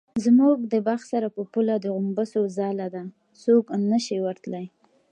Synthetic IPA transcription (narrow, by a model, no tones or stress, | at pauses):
zmuɡ̚d̪əbaxsaɾapəpulad̪əɣʊmbəsozɑlad̪a | soknəʃiwaɾt̪laj